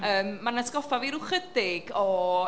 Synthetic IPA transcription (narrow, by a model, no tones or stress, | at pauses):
əːmːanaskɔfaviɾʊχədɪɡɔ